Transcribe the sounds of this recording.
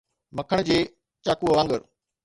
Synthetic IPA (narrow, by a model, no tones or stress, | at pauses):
mɐkʰəɽ̃d͡ʑeː | t͡ɕaːkuʋãːŋɡəɾ